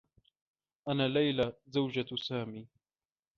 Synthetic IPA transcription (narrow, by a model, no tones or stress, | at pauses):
ʔanaːlajlazawd͡ʒasaːmiː